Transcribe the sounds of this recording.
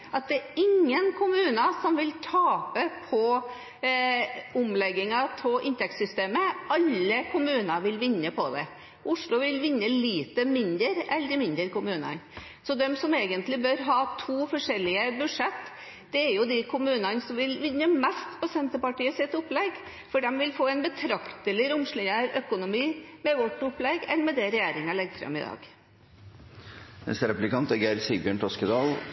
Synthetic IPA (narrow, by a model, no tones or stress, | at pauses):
ɑt̪̚d̪ɛɾɪŋːənkʰʊmʉːnəsɔmʋɪlt̪ʰɑːpəpʰɔ | ʊmlɛɡːɪŋɑt̪ʰɔʔɪnt̪ɛksʏst̪eːməɑlːəkʰʊmʉːnɑʋɪlʋɪnːəpʰɔd̪ɛ̰ | ʔʊʂlʊʋɪlʋɪnːəliːt̪əmɪnd̪əɾɛlːəɾmɪnd̪ɾəɾkʊmʉːnɑ̰n | sɔd̪ɛmsɔmeːɡənt̪lɪbœɾɦɑːt̪ʰuːfɔʂɛlɪəbʉʂɛt̪ː | d̪̥ɛæɾjʊd̪ɪkʰʊmʉːnɑnsɔmʋɪlʋɪnːəmɛst̪pʰɔsɛnt̪əpɑʈiːəsɪt̪ːʊplɛɡ | fɔɖɛmʋɪlfoːɛnbət̪ʰɾɑkt̪əlɪɾʊmʂɭɪnəɾœkʊnʊmiːmɛʋɔʈːʊplɛɡɛnmɛd̪ɛɾɛjeːɾɪŋɑlɛɡfɾɑ̰mɪ̰d̪ɑ̰ːɡ | nɛ̰st̪əɾɛplɪkɑnt̪ɛɡæɾsibjøːɳʈ̪ɔskəd̪ɑːl